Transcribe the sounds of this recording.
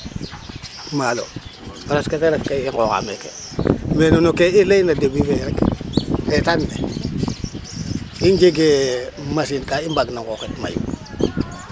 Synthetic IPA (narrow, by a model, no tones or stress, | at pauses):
malo̰ɾasketeɾefkeiŋɡoka̰mekḛ | menonokeilejnadebiveɾek | etanːe | ind͡ʒeɡemasinkaimbaɡnaŋɡoketma̰jṵ